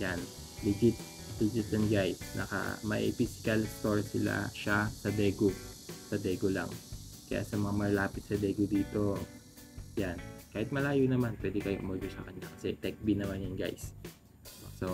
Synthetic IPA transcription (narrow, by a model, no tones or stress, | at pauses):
jan | lɪd͡ʒɪt̪̚ | d̪ɪd͡ʒɪt̪ɐnɡajsnɐ̰kɐ̰mɐʔḭfisɪ̥kɐlst̪oɹsɪla̰ʃasɐd̪ɛːɡosɐd̪ɛːɡola̰ŋ | kɐja̰ʔsɐmɐŋamɐlaːpɪt̪sɐd̪ɛːɡod̪iːt̪o̞ | jankaːhɪt̪̚mɐlaːjonɐmanpwɛːd̪ɛkɐjoʔʊ̰mɐɡosɐkɐɲːakɐsɛ̰t̪ɛk̚bɪnɐmanjʊŋɡa̰js | ʔo̰so̞